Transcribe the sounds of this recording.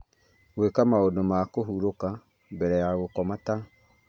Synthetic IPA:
wekamaodomakoɦuɾoka | bɛɾɛjaɣokɔmata

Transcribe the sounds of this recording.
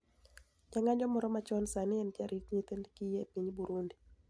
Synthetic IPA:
d͡ʒaŋaɲd͡ʒɔmɔɾɔmat͡ʃɔnsanɪɛnd͡ʒaɾʔit͡ʃɲet̪endkijepiɲbuɾundi

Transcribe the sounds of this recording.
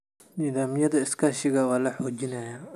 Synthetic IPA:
nɪðaːmɪjɐðɐɪskʰaːʃɪɣɐwaːlɐħɔːd͡ʒɪnɐːja

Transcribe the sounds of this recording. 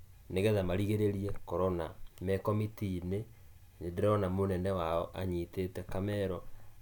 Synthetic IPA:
neɣɛðamaɾiɣeɾeɾiɛkɔɾɔnamɛkɔmitine | ɲeðeɾɔnamonɛndɛwaɔʔaɲitetɛkamɛɾɔ

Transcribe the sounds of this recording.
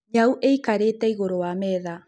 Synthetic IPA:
ɲawʔejkaɾet̪ajɣoɾoameða

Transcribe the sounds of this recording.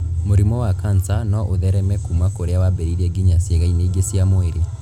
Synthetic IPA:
moɾimɔwakansanɔʔoðɛɾɛmɛkumakoɾeawabɛɾiɾɛɡiɲaseɣaineiɡesiamoeɾe

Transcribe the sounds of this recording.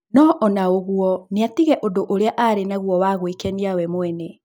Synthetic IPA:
nɔʔɔnaoɣuɔneatiɣɛʔodoʔoɾeaʔaɾenaɣwɔwaɣwekɛniawɛmwɛnɛ

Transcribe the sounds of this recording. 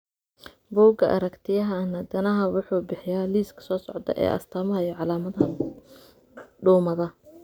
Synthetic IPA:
bɔːɡɐʔɐ̰ɾɐkt̪ʰɪjɐɦɐnɐd̪ɐnɐɦɐwʊħuːbɪħɪjaːliːskʰɐ̥sɔːsɔʕd̪ɐ̰ʔɛ̰ːʔɐ̰st̪ʰɐːmɐɦɐijʕɑlaːmɐðɐɦɐ | ɖuːmɐðɐ

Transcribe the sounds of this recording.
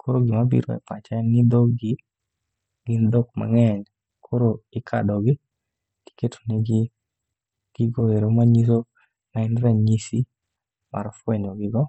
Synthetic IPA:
kʰoɾoɡɪmabḭɾo̰ɛ̰pat͡ʃaŋid̪oɡɪ | ɡ̥ɪndɔkma̰ŋɛn | kʰoɾoɪkʰa̰dɔɡɪ | ti̥ketʰo̥neɡɪ | ɡ̥ɪɡoeɾomaɲiso | maɛnɾɛɲisi | ma̰ɾɔfweɲoɡɪɡɔ

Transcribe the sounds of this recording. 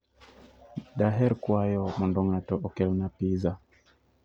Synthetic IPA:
daɦɛɾkwajɔmɔndɔŋatɔʔɔkɛlnapiza

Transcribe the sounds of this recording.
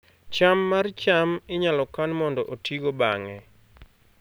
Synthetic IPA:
t͡ʃamːart͡ʃamɪɲalɔkanmɔndɔʔotiɡobaŋɛ

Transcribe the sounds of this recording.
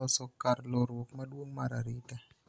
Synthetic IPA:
ɔsɔkarloɾwokmadwoŋmaɾaɾita

